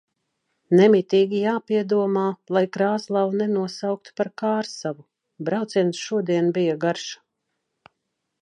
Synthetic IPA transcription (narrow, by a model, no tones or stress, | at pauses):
nɛmit̪iːɡʲijaːpiɛd̪uɔmaːlˠajkɾaːslˠavunɛnuɔsawk̚t̪u̥paɾkaːɾsavu | bɾawt̪siɛnsʃuɔd̪iɛnbijaɡaɾʃḁ